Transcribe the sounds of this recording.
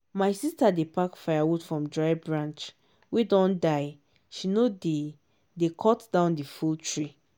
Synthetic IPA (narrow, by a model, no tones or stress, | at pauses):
maɪsistadepakfaɪawudfɹɔ̃mdɹaɪbɹãnt͡ʃ | wedɔ̃ndaɪ | ʃinode | dekʰɔtd̥ãʊ̃ndifultʰɹi